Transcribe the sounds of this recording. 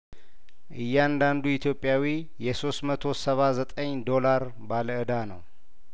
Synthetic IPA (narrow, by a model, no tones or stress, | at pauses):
ʔɨjːɛand̪and̪uit̪ʰjo̞pʼːjawi | jɛso̞st̪mət̪ʰo̞səβazət̪ʼəɲd̪o̞laɾ | baləʔɨd̪anəw